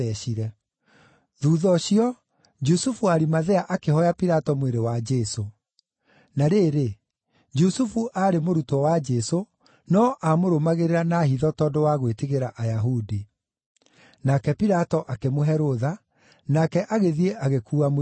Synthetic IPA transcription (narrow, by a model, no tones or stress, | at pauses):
ɛɕiɾɛ | ðuːðɔɕiɔ | d͡ʒusufuaɾimaðɛaʔakehɔjapiɾatɔmweɾewad͡ʒɛso | naɾeːɾe | d͡ʒusufuʔaːɾemoɾutɔwad͡ʒɛso | nɔʔamoɾomaɣeɾeɾanahiðɔtɔdowaɣweteɣeɾaʔajaɦudi | nakɛpiɾatɔʔakemoɦɛɾoða | nakɛʔaɣeðieʔaɣekuːam